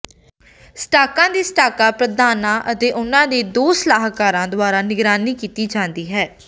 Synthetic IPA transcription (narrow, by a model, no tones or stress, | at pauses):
sʈaːkãːd̪iːsʈaːkaːpɾəd̪ʱaːnãːʔət̪eːʔʊnãːd̪eːd̪oːslaːɦkaːɾãːd̪ʊaːɾaːnɪɡɾaːniːkiːt̪iːd͡ʒãːnd̪iːɦɛː